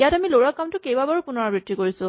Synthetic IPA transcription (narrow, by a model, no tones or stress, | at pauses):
jatamiloɹakːamtʊkejbabaɹupʊnɔɹabɹitːikoɹisʊ̃